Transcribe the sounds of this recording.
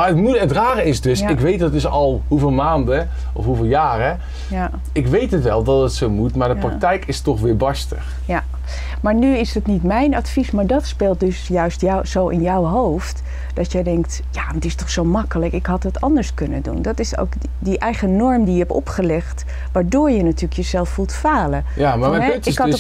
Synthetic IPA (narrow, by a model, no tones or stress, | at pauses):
aətmuətraːrəɪsdɵsɪkʋejt̚dɑtɪsɑlˠɦuveːlˠmaːndə | ʔɔfɦuvɪːlˠjaːrə | ja | ɪkʋejtɦətʋɛlˠdɑtətsowmutmaːɹdəpraktɛjkɪstɔχʋɪːɹbɑɹstə̰χ | ja | maːɹnyɪsdɑtnitmɛjnɑtfismaːɹdɑtspeːlˠt̚dɵsjœɥstjawsowʔɪnjɔwɦowft | d̥ɑtjədɛŋkt | jaːtɪstɔχsowmɑkələkɪkɦɑtdɑtɑndəɹskɵnəndṵndɑtɪso̰wk | diʔɛjχənɔɹmdijəɦɛpɔ̰pχəlɛχt | ʋaːɹdʊːɹjənatyːɹləkjəzɛlˠffulˠtfaːlə | jamaːɹmɛɛɪsk